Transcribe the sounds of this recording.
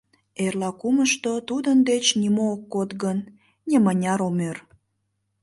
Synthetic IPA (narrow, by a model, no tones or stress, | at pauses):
erlɑkuməʃt̪ot̪ud̪ənd̪et͡ɕnimoːkːot̪ɣən | nʲemənʲɑɾomør